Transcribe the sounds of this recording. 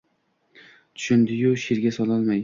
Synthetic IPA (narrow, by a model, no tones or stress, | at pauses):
t̪ʰʊ̥ʃʊnd̪ɪjʊʃeɾɡʲasɒlˠɒlˠmaj